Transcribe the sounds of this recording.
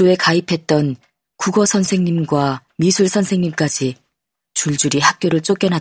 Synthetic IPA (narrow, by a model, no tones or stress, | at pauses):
oe̞kaipʰe̞t̚t͈ʌn | kuɡʌsʰʌnsʰe̞ŋɲimɡwamisʰuɭsʰʌnsʰe̞ŋɲimk͈ad͡ʑi | t͡ɕuɭd͡ʑuɾihak̚k͈joɾɯɭt͡ɕ͈ok͈jʌnɦa